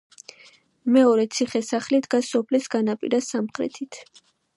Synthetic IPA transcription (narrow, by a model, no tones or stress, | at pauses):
mɛɔɾɛt̪sʰiχɛsaχlid̪ɡasɔpʰlisɡanapʼḭɾasamχɾɛ̰t̪ʰit̪ʰ